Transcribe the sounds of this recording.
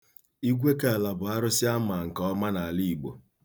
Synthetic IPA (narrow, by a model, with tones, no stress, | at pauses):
i˦ɡʷe˦ke˦a˨la˨bʊ˨a˦ɾʊ˦sɪ˦a˦ma˨ŋ̩˨kɔ˦ma˦na˨li˦i˨ɡ͡bo̰˨